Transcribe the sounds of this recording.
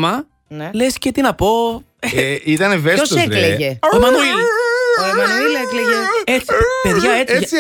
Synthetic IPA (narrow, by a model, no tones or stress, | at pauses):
mɐ | nlescet̪inɐpo̞ | it̪ɐnevesosekleʝeomɐnuil | mɐnuilekleʝeet͡sipe̞ðʝɐet͡si